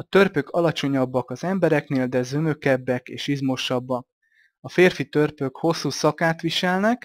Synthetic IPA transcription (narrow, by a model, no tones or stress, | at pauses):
ɒt̪ø̞rpø̞kɒlɒt͡ʃo̞ɲɒbːɒkɒzɛmbɛɾɛkneːld̪ɛzø̞mø̞kɛbːɛkeːʃizmo̞ʃɒbːɒk | ɒfeːrfit̪ørpø̞kho̞sːuːsɒkaːt̪ʋiʃɛlnɛk